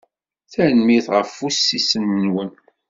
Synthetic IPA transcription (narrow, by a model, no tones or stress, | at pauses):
θænmiθʁəfusːisənːwən